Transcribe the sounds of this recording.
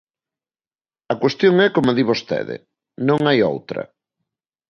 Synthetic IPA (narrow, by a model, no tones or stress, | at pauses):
ɐkwest̪joŋɛkomoðiβost̪ɛ̰ðɪ̰ | nõŋajo̰wt̪ɾɐ̰